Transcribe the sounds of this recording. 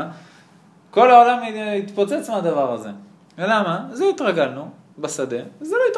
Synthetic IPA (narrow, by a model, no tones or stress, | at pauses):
ko̞laolamit̪pot͡set͡smead̪avaʁaze̞̰ | lamazeit̪ʁaɡalnu | basad̪e̞vzeloit̪